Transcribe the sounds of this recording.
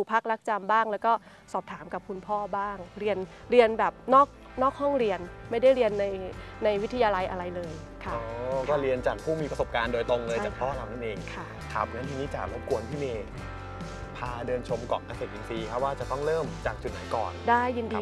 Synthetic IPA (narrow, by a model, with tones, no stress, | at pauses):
u˨˩pʰa˦˥k̚la˦˥k̚t͡ɕa˧mbaː˥˩ŋlɛː˦˥wkɔː˥˩ | sɔː˨˩p̚t̪ʰaː˩˦mka˨˩p̚kʰu˧npʰɔː˥˩baː˥˩ŋɾi˧ənɾi˧ənbɛː˨˩p̚nɔː˥˩k̚ | nɔː˥˩k̚hɔ˥˩ŋɾi˧ənma˥˩jda˥˩jɾi˧ənːa˧jna˧jwt̪ʰa˧jaː˧la˧jʔa˧ɾa˧jlɤː˧jkʰa˦˩ɔː˨˦kɔː˥˩ɾi˧ənt͡ɕaː˨˩k̚pʰuː˥˩miː˧pɾa˧so˨˩p̚kaː˧ndoː˧jt̪o˧ŋlɤː˧jaː˩k̚pʰɔː˥˩la˨˩na˥nʔeː˧ŋkʰa˥˩ | t̪ʰa̰˨˩p̚na˦˥nʰi˧ŋiː˦˥t͡ɕaː˨˩k̚lo˦˥˩p̚ku˧ənt̪ʰiː˥˩meː˧ | pʰaː˧dɤː˧nt͡ɕʰo˧mkɔ̰˨˩ka˧seː˨˩ʔi˧nsiː˧kʰa˦˥p̚waː˥˩t͡ɕa˨˩t̪ɔ˥˩ŋlɤː˥˩mt͡ɕaː˨˩k̚t͡ɕu˨˩na̰˨˩˦kɔ̰ː˨˩ndaː˥˩jːi˧ndi˧